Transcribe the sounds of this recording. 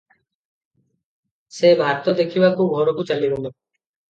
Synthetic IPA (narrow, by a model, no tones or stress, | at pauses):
sebʱaɾt̪od̪ekʰiwakʰubɦɔɾokut͡ɕaliɾeno